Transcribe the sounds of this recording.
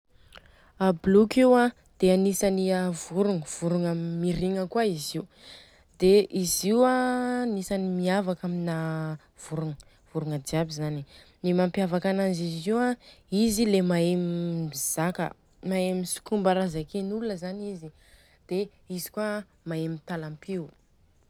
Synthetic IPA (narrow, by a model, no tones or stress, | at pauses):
ablukewã | d̪̥eanisaniavuɾuŋəv̥uɾuŋəmiɾiŋəkwaiziu | d̪̥eʔiziwanisanimiavakamina | v̥uɾuŋ | v̥uɾuŋədiabizani | nimampjavakanaziziwãizilemaemiiz̥akə̰ | maemisi̥kumbaɾazakenulunəzanizi | d̪̥e | izi̥kua | maemit̪alampiw